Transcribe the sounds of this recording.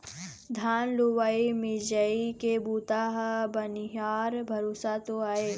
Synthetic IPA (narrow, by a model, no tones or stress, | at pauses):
d̪ʱaːnluwaːimɪd͡ʒəikebuːt̪aːɦbɐnɦaːɾbʱɐɾoːsat̪oaːeː